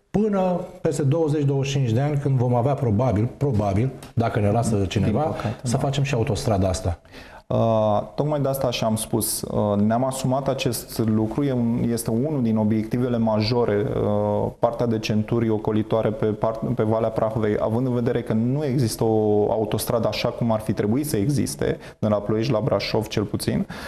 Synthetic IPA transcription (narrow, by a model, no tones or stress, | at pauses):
pɨnəpe̞st̪ed̪o̞wəze̞t͡ʃd̪o̞wəʃt͡ʃint͡ʃʲd̪e̞anʲkɨnd̪vo̞maveapɾo̞babilpɾo̞babild̪akəne̞ladsət͡ʃind̪eivapəkat̪esəfat͡ʃe̞mʃiaut̪o̞st̪ɾad̪aast̪a | ət̪o̞kmajd̪east̪aːʃamspusəneamasumat̪at͡ʃe̞st̪lukɾujeje̞st̪e̞unud̪ino̞bje̞k̚t̪ive̞le̞maʒo̞ɾʔe̞əpart̪ead̪e̞t͡ʃe̞nt̪uɾo̞ko̞lit̪oaɾe̞pe̞pape̞valeapɾaxuve̞jʔa̰vɨnd̪ɨnve̞d̪e̞ɾe̞kənue̞ɡzist̪əo̞a̰ut̪o̞st̪ɾad̪əaʃakumarfit̪ɾe̞buit̪səe̞ɡzḭst̪e̞̰ | nelaplojeʃlabɾaʃo̞vt͡ʃe̞lput̪sḭn